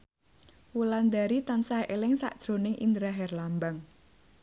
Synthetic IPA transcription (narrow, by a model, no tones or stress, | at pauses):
wuland̪aɾit̪ansaʔelɪŋsa̰ʔd̥ʒ̥ɾo̤nɪŋʔḭnd̪ɾaɦɛrlambaŋ